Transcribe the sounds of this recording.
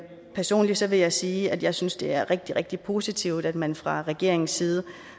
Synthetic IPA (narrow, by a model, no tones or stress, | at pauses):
pʰæɐso̝̰ːnlisɒ̽ʋe̝jɑ̈ɪsiːæd̥jɑ̈ɪsynsd̥e̝æɐʁeɡ̥̚d̥iʁeɡ̥̚d̥ipʰo̝sit͡sʰiʊ̰d̥æd̥mænfʁɑ̈ʁɛɡ̥e̝̰ɐ̰eŋn̩sːiːð̞ˠə